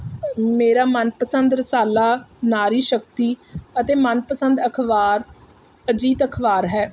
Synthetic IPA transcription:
meːɾaːmənpəsənd̪ɾəsaːlaːnaːɾiːʃək̚t̪iːət̪eːmənpəsənd̪əkʰʋaːɾ | əd͡ʒiːt̪əkʰʋaːɾɦɛː

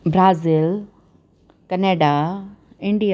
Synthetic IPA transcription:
bɾaːzɪl | kɐneːɖa | ɪ̃ɳɖij

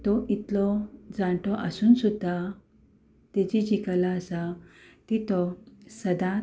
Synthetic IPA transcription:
t̪ɔʔit̪lɔd͡zãɳʈɔʔəsuːnsud̪ʱːa | t̪ed͡ʑid͡ʑikalaəsat̪it̪ɔsəd̪ã

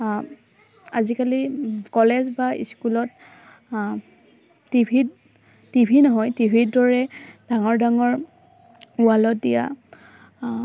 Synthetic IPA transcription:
azikalikɔlɛzbaḭskulɔt̚ | ibʱi | tibʱinɔɦɔjtibʱidɔɹɛd̥aŋɔɹdaŋɔɹ | ualɔt̚dija̰

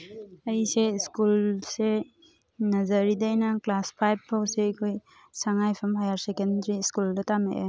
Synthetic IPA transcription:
ɐjseiskulse | nɐzɐɾidɐjnɐklaspʰajb̚pʰawsekʰoj | saŋajpʰɐmɦajaɾsekendɾiskuldɐtamḛʔe

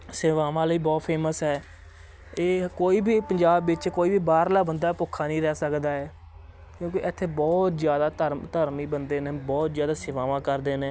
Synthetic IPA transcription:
seːʋaːʋãːləiːbɔːt̪pʰeːməsɦɛː | eːkoːiːbʱiːpəɲd͡ʒaːbːɪt͡ʃkoːiːbiːbaːɾlaːbənd̪aːpʊkʰaːnĩːɾɛːsəkd̪aːɛː | kjõːkiʔɪt̪ʰːeːbɔːt̪zjaːd̪aːt̪əɾt̪əɾmiːbənd̪eːnẽːbɔːt̪zjaːd̪aːseːʋaːʋãːkəɾd̪eːnẽː

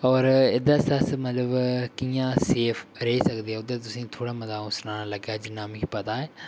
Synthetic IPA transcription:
ɔːɾɪd̪aːsəsmət̪ləbkiːjãːseːpʰɾɛisəkd̪eːɦɛːʊd̪eːt̪ʊsĩːt̪ʰoːɽaːmət̪aːʊ̃snaːnaləɡaːd͡ʒɪnaːmɪkpət̪aːɛː

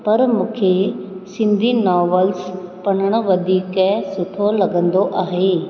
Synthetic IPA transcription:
pɐɾmũːkʰesɪ̃nd̪ʱinɔːʋəlspɐnəɽ̃ʊ̆ʋɐd̪ʱiːkɛsʊt̪ʰolɐɡə̃nd̪oʔaːɦeː

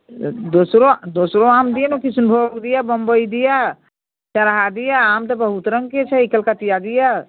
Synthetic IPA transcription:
d̪oːsɾod̪oːsɾoaːmd̪ijanokisunbʱoːɡd̪ijabəmbəid̪ija | t͡ʃaɾaɦad̪ijaaːmt̪ɐbɐɦut̪ɾə̃ŋɡket͡ʃʰɛikəlkat̪ijad̪ija

